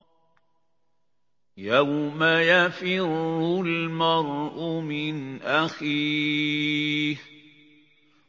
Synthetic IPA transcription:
jawmajafɪɾʊlmɑɾˤʔʊmɪnʔaxiː | h

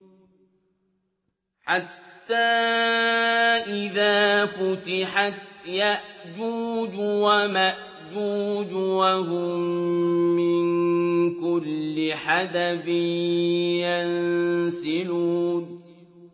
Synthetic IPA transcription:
ħat̪ːaː | ʔɪðaːfʊt̪ɪħat̪jaʔd͡ʒuːd͡ʒʊwamaʔ | d͡ʒuːd͡ʒwaɦʊmː | ɪnkʊlːɪħad̪afɪ | jansɪluːn

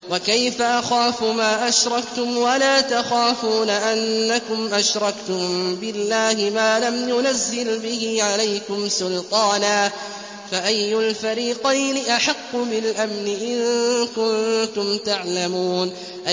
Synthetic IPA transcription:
wakajfaʔaxaːfʊmaːʔaʃɾˤɑkt̪ʊmwalaːt̪axaːfuːnaʔanːakʊmʔaʃɾˤɑkt̪ʊmbɪlːaːhɪmaːlamjʊnazːɪlbɪhɪːʕalajkʊmsʊlt̪ˤɑːnaː | faʔajːʊlfaɾiːqɑjnɪʔaħɑqːʊbɪlʔamnɪʔɪŋkʊnt̪ʊmt̪aʕlamuːn | ʔa

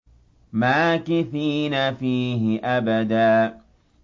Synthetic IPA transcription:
maːkɪθiːnafiːɦɪʔabad̪aː

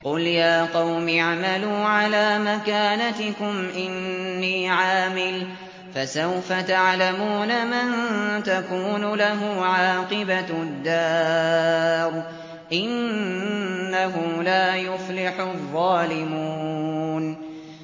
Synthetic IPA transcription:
qʊljaːqɑwmɪaʕmaluːʕalaːmakaːnat̪ɪkʊmʔɪnːiːʕaːmɪl | fasawfat̪aʕlamuːnamant̪akuːnʊlaɦʊʕɑːqɨbad̪ːɑː | ɾˤ | ʔɪnː | aɦʊlaːjʊflɪħʊðˤːɑːlɪmuːn

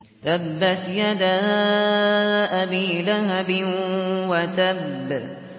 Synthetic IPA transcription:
t̪abːat̪jad̪aː | ʔabiːlaɦabɪwat̪abː

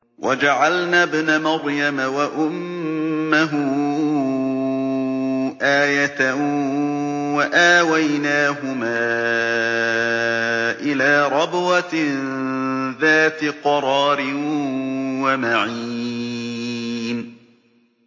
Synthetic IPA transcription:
wʔad͡ʒaʕalnaːbɪnamɑɾˤjamawaʔʊmː | aɦʊ | ʔaːjat̪a | waʔaːwajnaːɦʊmaː | ʔɪlaːɾˤɑbwa | ðaːt̪ɪqɑɾˤɑːɾɪ | wamaʕiː | n

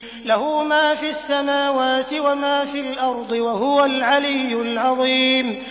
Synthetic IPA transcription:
lahuːmaːfiːasːamaːwaːt̪ɪwamaːfiːlʔɑɾˤd̪ˤɨwaɦʊwalʕalɪjːʊlʕɑðˤiːm

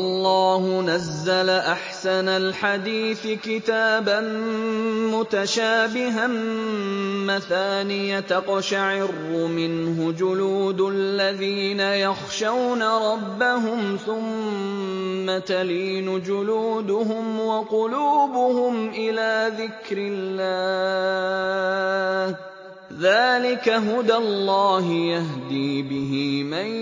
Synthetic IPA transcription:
ʔɑlˤːɑːhʊnazːalaʔaħsanalħad̪iːθɪkɪt̪aːban | mʊt̪aʃaːbɪɦan | maθaːnɪjat̪aqʃaʕɪrːʊmɪnɦʊd͡ʒʊluːd̪lːaðiːnajɑxʃawnaɾˤɑbːaɦʊmθʊmmː | at̪aliːnʊd͡ʒʊluːd̪ʊhʊmwɑqʊluːbʊhʊmʔɪlaːðɪkɾɪlːaː | h | ðaːlɪkaɦʊd̪alːɑːɦjaɦd̪iːbɪɦima

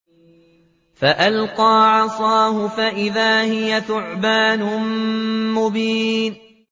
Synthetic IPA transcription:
faʔalqɑːʕɑsˤɑːhʊfaʔɪðaːhɪjaθʊʕbaːnʊ | mʊbiːn

